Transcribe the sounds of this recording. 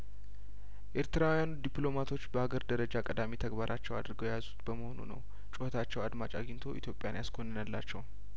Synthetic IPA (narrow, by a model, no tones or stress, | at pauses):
ʔe̞ɾt̪ɨɾawjanud̪ipʼlo̞mat̪ʰo̞t͡ʃːbəhaɡəɾd̪əɾəd͡ʒakʼəd̪amit̪ʰəɡbaɾʔat͡ʃːɛwa̰d̪ɾɨɡəwjejazut̪bəməhonṵnə̰w | t͡ʃʼʊhət̪ʰat͡ʃːɛwad̪mat͡ʃʼaɡɪnt̪ʰo̞ʔit̪ʰjo̞pʼjanjaskʰo̞nːɨnəlːa̰t͡ʃːɛw